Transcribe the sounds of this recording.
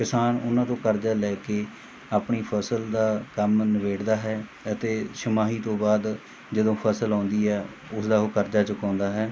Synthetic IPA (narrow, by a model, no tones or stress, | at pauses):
kɪsaːnʊnãːt̪õːkəɾd͡ʒaːlɛːkeː | aːpɳiːpʰəsəld̪aːkəmnəʋeːɽd̪aːɦɛː | ət̪eːʃəmaːɦiːt̪õːbaːd̪ | d͡ʒəd̪õːpʰəːsəlãːnd̪iːɦɛː | ʊsd̪aːoːkəɾd͡ʒaːt͡ʃəkãːnd̪aːɦɛː